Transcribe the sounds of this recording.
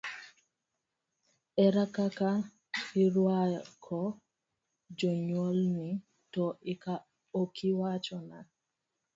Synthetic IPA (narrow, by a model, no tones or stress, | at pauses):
ɛɾakaka | iɾwakʰɔ | d͡ʒɔɲwolni | tɔika | okʰiwat͡ʃɔna